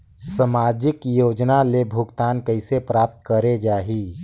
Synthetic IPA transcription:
səmaːd͡ʒɪkjoːd͡ʒnalebʱʊɡt̪aːnkəɪsepɾaːp̚t̪kəɾed͡ʒaːɦi

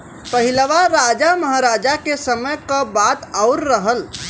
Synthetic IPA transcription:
pəɦiləʋaɾad͡ʒaməɦaɾad͡ʒakesəməjkəbat̪aʊɾːəɦəl

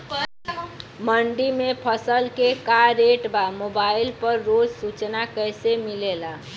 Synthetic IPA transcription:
məɳɖimepʰəsəlkekaɾeʈbamobailpəɾːod͡ʒsut͡ʃnakəjsemilela

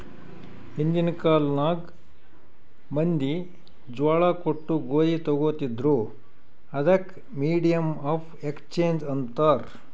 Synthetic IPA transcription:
hind̪inkaːlnaːɡ | mɐnd̪i | d͡ʒʋaːɭakoʈːuɡoːɾit̪ɔɡoːt̪id̪ɾu | ɐd̪ɐk | miːɖijɐmaːpʰekst͡ʃeːnd͡ʒɐnt̪aɾ

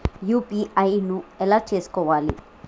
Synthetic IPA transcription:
jupiajnuelat͡ʃeːskɔʋaːlḭ

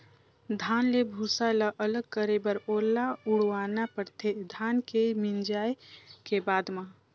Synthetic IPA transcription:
d̪ʱaːnlebʱusalaʔələɡ̚kəɾebəɾoːlːaʊɽwaːnapəɾt̪ʰed̪ʱaːnkemind͡ʒaːjkebaːd̪mã

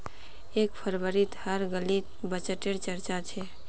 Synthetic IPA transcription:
eːkpʰəɾbəɾit̪həɾɡəlit̪bət͡ʃəʈeɾt͡ʃəɾt͡ʃat͡ʃʰe

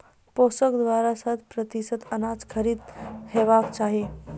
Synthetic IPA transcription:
posəkd̪ʋaɾasat̪ʰpɾət̪isət̪ənad͡zkʰəɾiːd̪heʋakt͡ʃaɦe

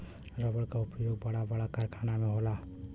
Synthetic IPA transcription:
ɾəbəɽkaʊpjoːɡ̚bəɽabəɽakaɾkʰaːnamẽɦoːla

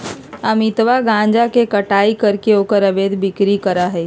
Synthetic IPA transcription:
əmɪt̪ʋaɡãːnd͡ʒakekɐʈaːikəɾkeoːkəɾɐbeːd̪bɪkɾikəɾaɦɛː

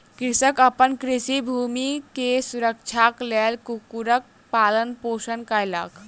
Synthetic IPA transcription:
kɾisəkəpənkɾisibʱumikesuɾək̚t͡ʃʰaklelkukuɾək̚ | palənposənkəjlə̰k

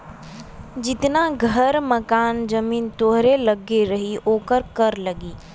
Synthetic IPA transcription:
d͡ʒɪt̪naɡʱəɾmɐkaːnd͡ʒɐmiːnt̪oːɦɾelɐɡeɾɐɦioːkəɾkɐɾlɐɡiː

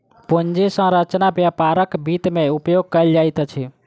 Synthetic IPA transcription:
pond͡ʒesə̃ɾət͡ʃnabjapaɾəkbit̪meupjoɡ̚kəld͡ʒajt̪t͡ʃʰi

